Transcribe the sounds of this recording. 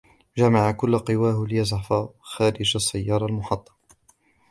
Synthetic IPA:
d͡ʒamaʕakʊlːqɨwaːhlɪjazʕafaxaːɾɪd͡ʒasːajːɑːɾˤɑlmʊħɑt̪ˤːɑ̥

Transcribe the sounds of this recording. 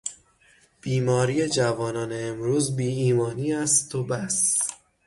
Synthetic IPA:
b̥iːmɒːɾiːje̞d͡ʒævɒːnɒːneːmɾuːzbiːiːmɒːniːæst̪ʰobæs

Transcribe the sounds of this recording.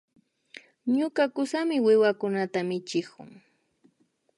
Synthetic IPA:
ɲʊkakʊsamɪwɪwakʊnat̪amɪt͡ʃɪkʊ̰ŋ

